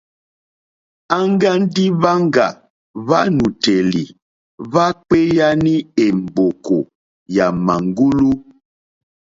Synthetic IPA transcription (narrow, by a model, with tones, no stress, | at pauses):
a˦ŋ˦ɡa˦n˦di˦βa˦ŋ˦ɡa˨ | va˦nu˨te˨li˨ | va˦k͡pe˦ja˦ni˦e˨m̩˨bo˨ko˨ | ja˨ma˨ŋɡu˦lu˦